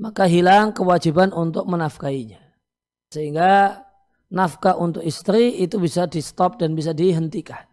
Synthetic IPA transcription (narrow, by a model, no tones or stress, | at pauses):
makaɦilaŋkəwad͡ʒibanunt̪ʊk̚mənafkaiɲa | səɦiŋɡa | nafkaʔunt̪ʊkist̪ɾiːt̪ubisadist̪ɔp̚danbis̬adiɦənt̪ikan